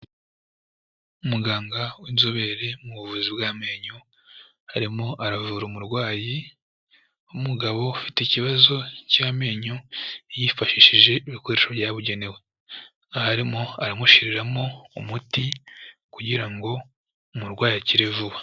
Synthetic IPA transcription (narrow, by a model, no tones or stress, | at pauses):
umuɡaːŋɡawinzoβe̞ɾe̞muβuvuzibɡaːme̞ːɲo | haɾimo̞ʔaɾavuɾomuɾɡwaːji | umuɡaβo̞fiteiciβazo̞caːme̞ːɲojifaʃiʃiʒe̞iβiko̞ɾe̞ʃoβjaβuɟe̞ne̞we̞ | ahaɾimo̞aɾamuʃiɾiɾamo̞umutikuɟiɾaŋɡo̞ | umuɾɡwaːjiaciɾevuβa